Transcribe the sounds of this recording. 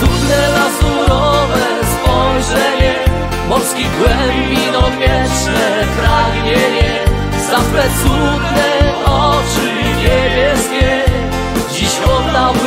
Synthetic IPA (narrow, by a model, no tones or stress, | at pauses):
d̪ud̪nɛlazuɾɔvɛ | st̪fɔjʐɛɲɛ | mɔɾskʲiɡwɛmbʲinɔmʲjɛt͡ʂnɛ | pɾaɡɲɛɲɛ | safɾɛt̪sud̪nɛɔt͡ʂɨ | ɲebʲjɛskʲɛ | d͡ʑiɕvɔd̪a